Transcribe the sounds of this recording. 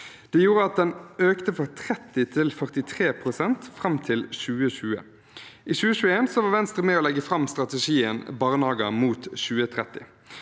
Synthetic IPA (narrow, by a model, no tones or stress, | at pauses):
d̪̥ɛjuːɾəɑt̪̚d̪ɛnøːkt̪əfɔʁt̪ʰɾɛt̪ɪt̪ʰɪlfœʁt̪ɪt̪ʰʁeːpʰʁʊsɛnt̪fʁɑmt̪ʰɪlʃʉːəʃʉːə̰ | ʔiːʃʉːəʃʉːəeːnsɔʋɑːʋɛnst̪ʁəmɛːoːlɛɡːəfʁɑmst̪ʁɑt̪ɛʂiːənbɑːʁnɑːɡɑmuːt̪ʃʉːət̪ʰʁɛt̪ːɪ